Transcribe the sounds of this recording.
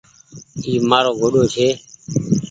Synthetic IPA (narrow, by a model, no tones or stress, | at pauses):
iːmaːɾoːɡoːɗoːt͡ʃʰeː